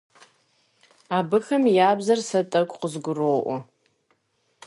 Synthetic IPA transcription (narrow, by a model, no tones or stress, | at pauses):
abɨxɐmjaːbzɐrsɐtʼɐkʷʼqʷʼəzɡʷʊroːʔʷa